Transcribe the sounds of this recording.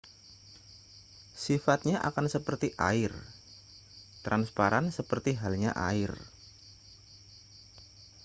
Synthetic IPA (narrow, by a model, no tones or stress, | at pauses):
sifat̪̚ɲaʔa̰kansəpərt̪iʔa̰ɪr | t̪ɾʔanspaɾansəpərt̪iɦalɲaʔa̰ɪr